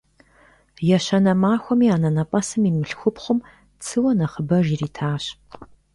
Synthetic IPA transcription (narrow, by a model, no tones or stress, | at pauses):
jɛɕɐnɐmaːxʷɔmiːaːnɐnɐpʼɐsɨmiːmɨɬxʷʊpχʷʊm | t͡sʰɨwɐnɐχəbɐʒiːriːtʰaːɕ